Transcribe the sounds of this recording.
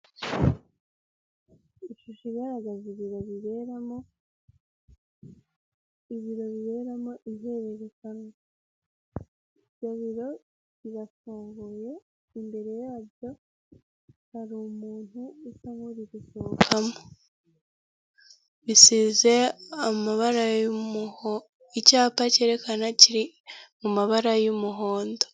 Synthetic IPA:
iʃuʃiɡaɾaɡaziβiɾo̞βiβe̞ɾamo̞ | iβiɾo̞βiβe̞ɾamo̞ʔiɦeβeɾekaŋo | jaβiɾo̞ | βiɾafuːŋɡoje̞ | imbe̞ɾe̞jaːβjo̞ | haɾumuːn̥uisamoɾiβisokʰamo | βisize̞amaβaɾam | icaːpace̞ːɾe̞kanaciɾi | mumaβaɾajumuɦo̞ːndo

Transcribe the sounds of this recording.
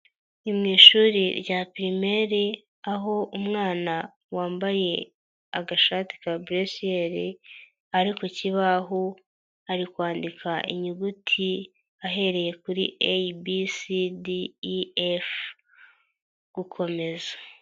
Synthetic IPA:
imŋiːʃuːɾiɾɟapiɾime̞ɾe | aɦo̞ʔumŋaːna | waːmbaje̞ | aɡaʃaːti̥kabɾesieɾi | aɾikociβaɦo | aɾikwaːndikʰaʔḭɲuɡutʰi | aɦe̞ɾe̞je̞kuɾḭʔebisidief | ɡ̥ukʰo̞me̞zḁ

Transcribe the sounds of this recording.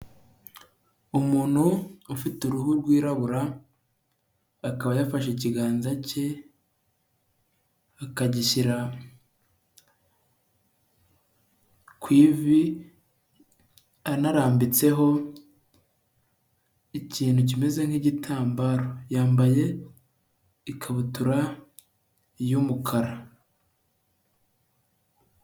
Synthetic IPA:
umuːn̥huufituɾuɦuɾɡwiːɾaβuɾa | kaβajafaʃeciɡaːnzace̞ | akaɟiʃiɾa | kwiːvi | anaɾaːmbit͡se̞ɦo̞ | iciːnhuc̬ime̞ze̞ŋ̥hiɟitʰaːmbaːɾo̞jaːmbaje̞ | ikʰaβutuɾa | jumukʰaɾa

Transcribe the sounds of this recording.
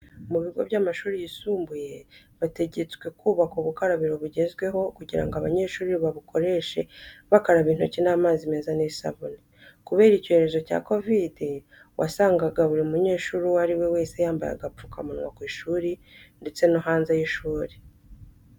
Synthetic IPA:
muβiɡo̞βjaːmaʃuːɾijisuːmbuje̞ | βate̞ɟe̞t͡swe̞kuːβakuβukaɾaβiɾo̞βuɟe̞zɡwe̞ɦo̞kuɟiɾa̰ŋɡoaβa̰ɲe̞ːʃuːɾiβaβukʰo̞ɾe̞ʃe̞̰βakaɾaβiːn̥ucinaːmaːzime̞ːzanesa̰βoni | kuβe̞ːɾico̞heɾe̞zo̞ca̰ːko̞vidi | wʔa̰saːŋɡaɡaβuɾiumuɲe̞ːʃuːɾuwaɾiwe̞we̞ːse̞jaːmba̰ja̰ɡafu̥kamunwa̰kwiːʃuːɾinde̞t͡se̞noɦaːnzejiʃuːɾi̥

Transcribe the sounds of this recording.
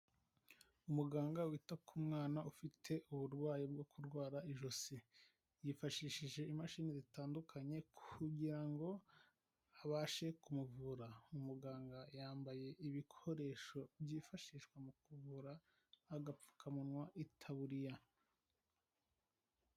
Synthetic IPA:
umuɡaːŋɡawitakʰumŋaːnaufitʰe̞ʔuβuɾɡwaːjib̚ɡo̞kuɾɡwaːɾaiʒosi | jifaʃiːʃiʒe̞imaʃiːnizitaːndukʰaɲe̞kʰuɟiɾaŋɡo̞ | aβaːʃe̞kumuvuɾaumuɡaːŋɡajaːmbaje̞ʔiβikʰo̞ɾe̞ːʃo̞bjiːfaʃiːʃkwemukuvuɾaː | ɡap͡fu̥kʰamunwaʔitʰaβuɾija

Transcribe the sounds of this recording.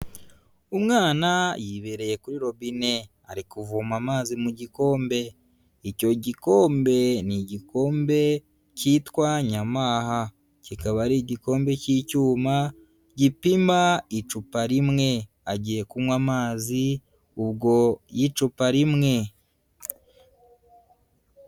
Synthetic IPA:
umŋaːnajiβeɾe̞je̞kuɾiɾo̞βine̞ | a̰ɾikuvumamaːzimuɟiko̞ːmbe̞ | ico̞ɟiko̞ːmbe̞niɟiko̞ːmbe̞ | citwaɲamaːha | cikaβaɾiɟiko̞ːmbe̞cicuːma | ɟipimait͡ʃupaɾimŋe̞ | aɟije̞kumwamaːzi | uβɡo̞jit͡ʃupaɾimŋe̞

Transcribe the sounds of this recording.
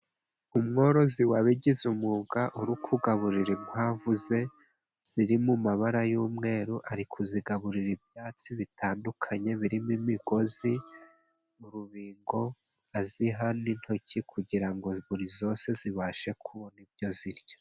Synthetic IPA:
umŋo̞ːɾo̞ziwaβiɟizumuːɡaʔuɾukʰuɡaβuɾiɾimhaːvuze̞ | z̥iɾimumaβaɾajuːmŋe̞ːɾuʔaɾikʰuziɡaβuɾiɾib̚jaːt͡siβitʰaːndukʰaɲe̞βiɾimimiɡo̞zi | uɾuβiːŋɡo̞ | aziɦanin̥ho̞cʰikʰuɟiɾaŋɡo̞βuɾizo̞ːse̞ziβaːʃe̞kʰuβonibjo̞ziɾjo

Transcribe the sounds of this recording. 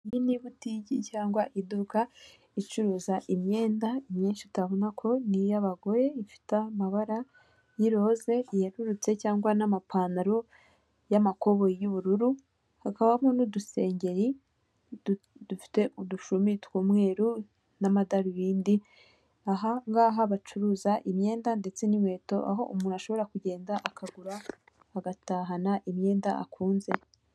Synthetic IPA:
iniβutiɟicaːŋɡwaʔiduka | it͡ʃuɾuːzaʔimɲe̞ːndaimɲiːnʃitaβonakʰo̞nijaβaɡo̞je̞ifi̥tamaβaɾa | jiɾo̞ze̞ijeɾuɾut͡se̞caːŋɡwanamapʰaːnaɾo | jamako̞βojuβuɾuɾu | hakaβamonuduse̞ːɲɟe̞ɾi | d̥ufi̥te̞uduʃumitwuːmŋe̞ːɾu | namadaɾuβiːndi | aɦaŋɡaɦaβat͡ʃuɾuːzaʔimɲe̞ːndande̞t͡se̞nimwe̞ːto̞ʔa̰ɦo̞ʔumuːnuaʃo̞βo̞ɾakuɟe̞ːndaʔakʰaɡuɾaː | ɡataːɦanaʔimɲe̞ːndaʔa̰kʰuːnze̞

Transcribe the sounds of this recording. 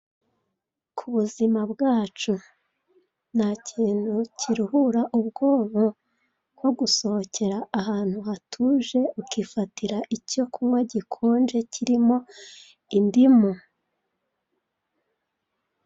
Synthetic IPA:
kʰuβuzimabɡaːt͡ʃu | n̥acʰiːn̥hucʰiɾuhuɾaʔubɡo̞ːβo | ko̞ɡuso̞hoce̞ɾaːhaːn̥huhatʰuʒe̞ukifatʰiɾaʔico̞kʰumŋe̞ɟikʰoːnd͡ʒe̞ciɾimo̞ | indimu

